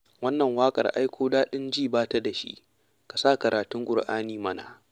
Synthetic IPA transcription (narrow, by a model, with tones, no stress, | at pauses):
wɐ˦nːɐ˨ŋwaː˦kʼɐ̰˨rʔa̰˦jkʷʰoː˦daː˦ɗɪ˦nd͡ʒiː˦˨baː˦ta˦da˨ʃḭ˦ʔ | ka˨sa˦˨kɐ˨ɾʔaː˨tʊ˦ŋɡʷʼʊ˨rʔaː˦niː˦mɐ˦na̰˨ʔ